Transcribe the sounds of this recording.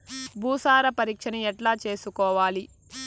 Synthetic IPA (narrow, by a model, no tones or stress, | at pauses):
bʱuːsaːɾɐpɐɾiːkʂɐniɛʈlaːt͡ʃe̞ːsukɔːʋaːli